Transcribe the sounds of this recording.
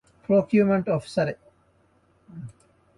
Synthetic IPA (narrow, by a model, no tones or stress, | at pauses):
pɾoːkjumẽɳʈɔfsɐɾe